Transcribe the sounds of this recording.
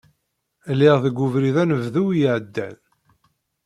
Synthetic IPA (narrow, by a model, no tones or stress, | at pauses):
lːiʁðəɡʊvɾiðænəvðuwjəʕəd̪ːæ̰n